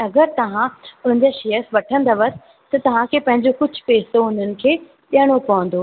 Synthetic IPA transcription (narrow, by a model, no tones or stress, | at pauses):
ɐɡəɾt̪ɐʋ̤ãʊn̤ə̃ɲd͡ʑaʃejəsʋɐʈʰə̃nd̪əʋɐt̆ | t̪ɐt̪ɐʋ̤ãkʰeːpɐ̃ɦɪ̃ɲd͡ʑokʊd͡ʑʱʊ̥̆peːsoʊn̤ənɪ̆kʰeː | ɗjəɽ̃opɐʋə̃n̆d̪oː